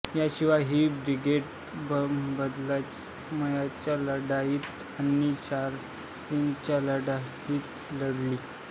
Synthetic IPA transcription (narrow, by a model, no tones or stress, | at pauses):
jaɕiʋaɦiːbɾiɡeʈ | bbəd̪la | məjat͡ɕjaləɽajiːt̪ | anit͡ɕaɾ | t̪int͡ɕjaləɽa | iːt̪ | ləɽliː